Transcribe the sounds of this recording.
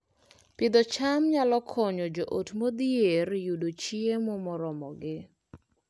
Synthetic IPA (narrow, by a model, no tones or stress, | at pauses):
pɪd̪ɔt͡ʃamɲalɔkʰɔɲɔd͡ʒoʔotmod̪ierjudot͡ʃiemɔmɔɾɔmɔɡɪ